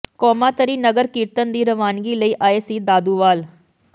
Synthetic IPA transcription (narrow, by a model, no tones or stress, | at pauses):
kɔːmaːt̪əɾiːnəɡəɾkiːɾt̪ənd̪iːɾəʋaːnɡiːləiːʔaːeːsiːd̪aːd̪uːʋaːl